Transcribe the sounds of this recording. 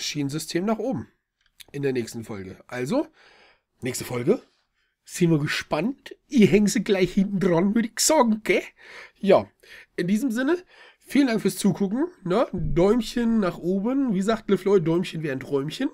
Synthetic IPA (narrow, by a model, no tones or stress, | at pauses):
ʃiːnənzʏstʰeːmnaːχʔoːbm̩ | ʔɪndeːɐnɛːçstn̩fɔlɡəʔalzo | nɛːçstə̥fɔlɡə | z̥ɪntviːɐɡəʃpanthiːɐɦɛŋənziːɡlaɪçhɪntn̩dʁanmyːɐdiksɔɡŋ̩ɡ̥ɛːjaː | ʔɪndiːzəmzɪnə | fiːləndaŋkfyːɐst͡suːkʰʊkŋ̩nədɔʏmçənːaːχʔoːbənviːzaːktləflɔɪdɔʏmçənveːʁn̩tʁɔʏmçən